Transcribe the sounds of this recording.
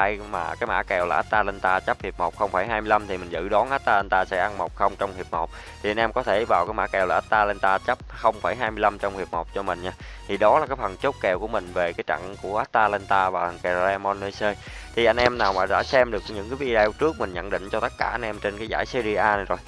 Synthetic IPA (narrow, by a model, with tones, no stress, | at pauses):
a˧jma̰ː˨˩kaː˨˦jma̰ː˧˩kɛ˨˩wlaː˨˩ʔaː˦˥t̚t̪aː˧lɛ˧nt̪aː˧t͡ɕə˦˥p̚hi˨˩p̚mo˨˩wk͡p̚xə˧wŋ͡mfaː˧˩jɦaː˧jmɨ˧jla˧mt̪ʰi˨˩mï˨˩ŋ̟zɨ̰˧˨ɗɔ˨˦nʔaː˦˥t̚t̪aː˧lɛ˧nt̪aː˧sɛ̰˧˥ʔa˧nmo˨˩wk͡p̚xə˧wŋ͡mt͡ɕɔ˧wŋ͡mhi˨˩əp̚mo˨˩wk͡p̚ | t̪ʰi˨˩a˧jnʔɛ˧mkɔ˨˦t̪ʰe˧˩vaː˨˩wkaː˨˦jmaː˧˥kɛ˨˩wlaː˨˩ʔaː˦˥t̚t̪aː˧lɛ˧nt̪aː˧t͡ɕə˦˥p̚xə˧wŋ͡mfaː˧˩jɦaː˧jmɨ˧əjla˧mt͡ɕɔ˧wŋ͡mhi˨˩əp̚mo˨˩k͡p̚t͡ɕɔ˧mï˨˩ŋ̟ɲaː˧t̪ʰi˨˩ɗɔ˨˦laː˨˩kaː˨˦jfə˨˩nt͡ɕo˦˥k͡p̚kɛ˨˩wku˧˩əmï˨˩ŋ̟ve˨˩kaː˨˦jt͡ɕa̰˧˨ŋku˧˩əʔaː˦˥t̚t̪aː˧lɛ˧nt̪aː˧vaː˨˩˨kɛ˨˩˧lɛ˧mɔ˧nlə˧jsəː˧j | t̪ʰi˨˩ʔa˧jŋ̟ʔɛ˧mnaː˨˩wma̰ː˨˩ɗa̰ː˧˥sɛ˧mɗɨ˨˩ək̚ɲɨ̰˧˥ŋkaː˨˦vi˧ɗɛ˧wt͡ɕɨ˦˥ək̚mï˨˩ŋ̟ɲə̰˧˨nɗḭ˧˨ŋ̟t͡ɕɔ˧t̪ə˦˥t̚kaː˧˩ʔa˧jn̟ʔɛ˧mt͡ɕe˧nkaː˨˦jzaː˧˩jsə˧zi˧ʔaː˧n˨jzo˨˩j